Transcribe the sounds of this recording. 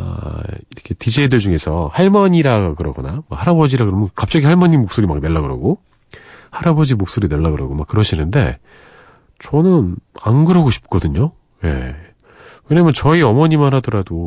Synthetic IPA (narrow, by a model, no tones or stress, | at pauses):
a̰iɾʌkʰe̞tid͡ʑeidɯɭd͡ʑuŋe̞sʰʌhaɭmʌɲiɾaɡakɯɾʌɡʌnama̰haɾabʌd͡ʑiɾakɯɾʌmʌkap̚t͡ɕ͈ʌɡihaɭmʌɲimok̚s͈oɾimak̚ne̞ɭːaɡɯɾa̰ɡo | haɾabʌd͡ʑimok̚s͈oɾineɭːaɡɯɾaɡomak͈ːɯɾʌɕʰinɯnde̞̰ | t͡ɕʌnɯnanɡɯɾʌɡoɕʰi̥p̚k͈ʌdɯɲo | je̞̰ | kɯɲemjʌnt͡ɕʌiʌmʌɲimanhadʌɾado